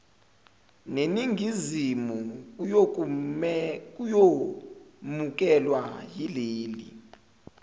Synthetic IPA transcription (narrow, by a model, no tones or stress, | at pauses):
neniŋʱizimukuo | k̬ʼujo | muk̬ʼɛlwajileːli